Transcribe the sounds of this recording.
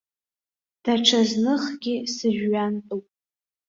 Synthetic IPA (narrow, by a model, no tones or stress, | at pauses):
d̥aʈ͡ʂʰaznɨχɡʲisɨʒᶣɥantʼupʼ